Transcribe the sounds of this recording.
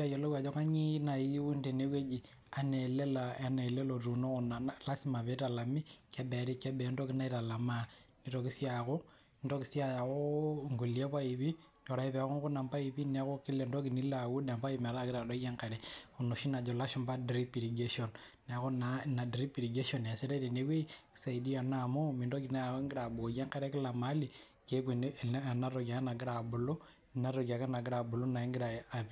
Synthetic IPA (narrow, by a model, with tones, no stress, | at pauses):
a˦jolo˦wa˨d͡ʒo˦ka˦ɲi˦na˨ji˦u˦nde˨ne˦we˦d͡ʒi˨ | a˨nele˦laa˦ne˨le˦lotu˨no˦kuna˨la˦sima˨βe˦ta˨la˨mi˦ke˦be˨ɾi˦ke˦be˨ndo˦ki˦na˦iɾa˨la˨mani˦ɾokisjako˦ | ndo˦ki˦si˦aja˨ɣoŋɡu˨li˦e˦βa˦iβi˦ | no˨ɾa˨i˦βe˨ku˦ŋku˦na˨mba˦iβi˦ne˦ko˦ki˦le˨ndo˦kini˦lawu˦da˨mba˦ime˨ɾa˦ki˦ɾa˨do˦ija˦ŋka˨ɾe˨unu˨ʃi˦na˨d͡ʒo˨la˦ʃu˦mba˦dɾi˦pi˨ɾiɡe˦ʃo˨n | ne˨a˦ko˦nana˨dɾi˦pi˨ɾi˨ɡe˦ʃo˨na˨si˦ɾe˦de˨ne˦kwe˦ki̥sa˨i˨di˦a˨namo˦mi˨ndo˦ki˨na˦ŋɡi˦ɾa˨bu˨o˨ja˦ŋka˦ɾe˦ki˦la˨ma˦li˨ | ke˦k̬i˨n˨a˨na˦ɾoka˨˦na˨ɡi˦ɾa˨bu˨lo˦ | na˦ɾo˨ka˨ka˦na˨ɡi˦ɾa˨bu˨lu˦na˨i˦ŋɡi˦ɾa˨a˨βi